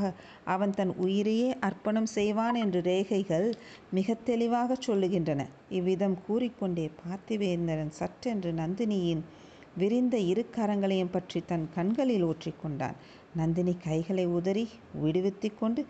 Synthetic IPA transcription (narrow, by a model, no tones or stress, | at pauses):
ɣɐ | ʔɐʋɐnt̪ɐnʔʊjɪɾɐjeːʔɐɾpɐɳɐmsɛjʋaːnɛndrɯɾeːɣɐɪɣɐɭmɪɣɐt̪ːɛlɪʋaːɣɐt͡ʃːɔlːɯɣɪndrɐnɐ̰ | ɪʋːɪðɐmkuːɾɪkːɔɳɖeːpʰaːɾt̪ɪʋeːɾnd̪ɐɾɐnsɐʈrɛndrɯnɐnd̪ɪnɪjɪn | ʋɪɾɪnd̪ɐɪɾɯkːaːɾɐŋɡɐɭɐjɐmpɐʈrit̪ɐnkɐɳɡɐɭɪloːʈrɪkːɔɳɖa̰ːn | nɐnd̪ɪnikɐɪɣɐɭɐɪʊðɐɾi | ʋɪɽɯʋɪt̪ːɯkːɔɳɖɯ